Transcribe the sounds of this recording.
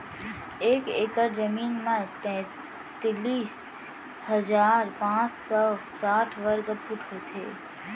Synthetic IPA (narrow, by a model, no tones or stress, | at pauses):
eːkeːkəɾd͡ʒəmiːnmãt̪ɛ̃ | t̪liːs | həd͡ʒaːɾpãːt͡ʃsɔsaːʈʰʋəɾɡəpʰuʈɦot̪ʰḛː